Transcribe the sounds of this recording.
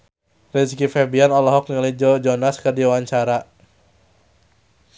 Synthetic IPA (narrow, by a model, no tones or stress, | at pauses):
rɛskifɛbianɔlɔɦɔk̚nilid͡ʒɔd͡ʒɔnaskɨrdiwaɲt͡ʃaɾa